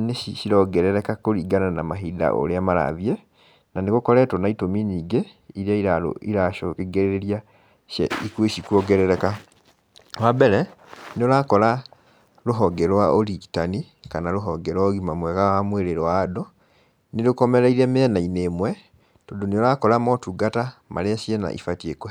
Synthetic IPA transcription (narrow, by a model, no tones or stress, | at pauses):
neʃiʃiɾɔɡɛɾɛɾɛkakoɾiːɡananamaɦida̰ʔo̰ɾeamaɾa̰ðjɛ | naneɣokɔɾɛtɔnaitominiːɡeiɾeaiɾao̰iɾaʃokeɡeɾeɾeɾia | ʃɛ̰ikweʃikuɔɡɛɾɛɾɛka | wabɛɾɛnolakɔla | loɦɔɡɛɾwaʔoliki̥tanikanaloɦɔɡɛɾwaoɣimamweɣawamweɾeɾowado | neɾukomɛɾaiɾɛmɛnainemwɛ | todoniolakoɾamotuɡatama̰ɾeasiena̰ʔḭfatieko